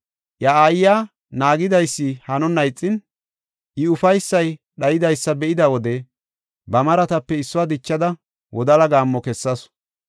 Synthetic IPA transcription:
ʔjɐaːjːaː | naːɡɪd̪ɐjsːɪhɐnɔnɐjt͡sʼːɪn | ʔɪʊfɐjsːɐj | ɗɐjɪd̪ɐjsːɐbɛʔɪd̪ɐwɔd̪ɛ | bɐmɐɾɐt̪ɐpːɛɪsːɔwaːd̪ɪt͡ʃːɐd̪ɐ | wʔɔd̪ɐlɐɡaːmːɔkɛsːɐs

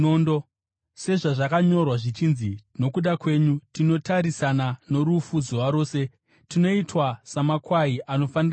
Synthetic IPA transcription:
ondo | se̞ʐaʐakaɲo̞rwaʐit͡ʃinzino̞kuɗakwe̞ːɲutino̞taɾisanano̞ɾufud͡zowaɾo̞ːse̞ | tino̞itwasamakwaiʔano̞fanira

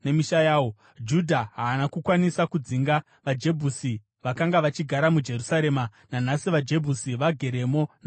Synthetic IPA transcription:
nemiʃajaːwo | d͡ʒudʱaɦaːnakukwanisakud͡ziŋɡa | ʋad͡ʒe̞bʱusi | ʋakaŋɡaʋat͡ʃiɡʱaɾamud͡ʒe̞rusaɾe̞ːma | nanasiʋad͡ʒe̞bʱusiʋaɡʱe̞ɾe̞mo̞na

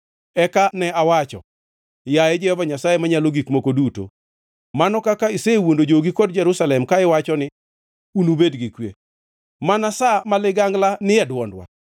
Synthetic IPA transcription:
ɛkanɛawat͡ʃɔ̰ | jajɛd͡ʒɛhɔvaɲasajemaɲaloɡikmokoduto̰ | manɔkakaɪsewondod͡ʒoɡikod̚d͡ʒɛɾusalɛmkaɪwat͡ʃɔnɪ | unubedɡikwḛ | manasamalɪɡaŋɡlanɪɛdwɔndwa̰

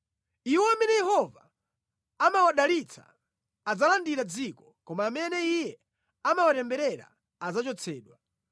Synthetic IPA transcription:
iwɔamɛnɛjɛɦɔva | amawaɗalit͡sʰa̰ | ad͡zalandiɾad͡zikɔkɔmaːmɛnɛijɛ | amawatɛmbɛɾɛɾa̰ | ad͡zat͡ʃɔt͡sʰɛːɗwa

